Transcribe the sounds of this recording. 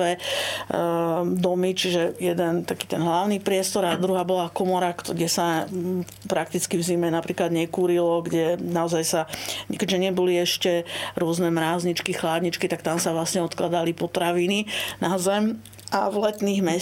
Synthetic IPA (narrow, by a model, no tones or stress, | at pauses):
ɛ | d̪ɔmit͡ʃiʒɛjɛd̪ɛnt̪akiːt̪ɛnɦlaʊnipɾɪɛst̪ɔɾad̪ɾuɦaːbɔlakɔmɔɾakɟɛsa | pɾak̚t̪it͡skivzimɛnapɾiːklad̪ɲɛkuːɾilɔɡɟɛnaɔzajsakɛɟʒɛɲɪɛbɔliɛʃcɛɾʊɔznɛmɾaːzɲit͡ʃkixlaːd̪ɲit͡ʃkit̪akt̪amsaʋlasɲɛɔt̪klad̪alipɔt̪ɾaʋininazɛm | ʔavlɛt̪niːɣmɛ